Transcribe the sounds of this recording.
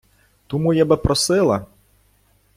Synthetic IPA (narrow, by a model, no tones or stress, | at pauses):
t̪umujabɨpɾɔsɪlˠɐ